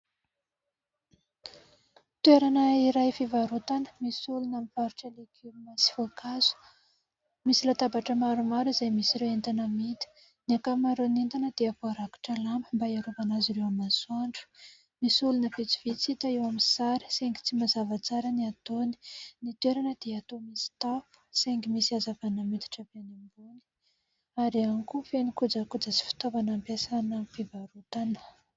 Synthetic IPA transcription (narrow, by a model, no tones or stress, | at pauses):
t̪weɾanəiɾajfivaɾut̪anə̥misulunamipaɾuʈ͡ʂəlekʰimasi̥fuakʰazu̥ | misilat̪abaʈ͡ʂəmaɾumaɾizajmisiɾewent̪anəmit̪ə̥ | niakamaɾonint̪anəd̪̥eapoɾaki̥ʈ͡ʂalambəmbaiaɾuvanaziɾewamasaɳɖ͡ʐu̥ | misulunəvit͡sivit͡sit̪aewaminsaɾi̥seŋɡi̥t͡simazavat͡saɾəniat̪oni̥nit̪weɾanəd̪̥eat̪omisi̥t̪afu̥seŋɡimisiazavanəmit̪i̥ʈ͡ʂəvanimbuni̥ | aɾiankufenikud͡zakud͡zəsi̥fi̥t̪ovanampesanəfivaɾut̪anə̥